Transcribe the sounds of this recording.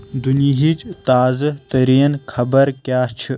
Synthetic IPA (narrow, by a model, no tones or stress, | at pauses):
d̪uniɦit͡ʃt̪aːzt̪ɐɾiːnkʰɐbɐɾkʲjaːt͡ʃʰi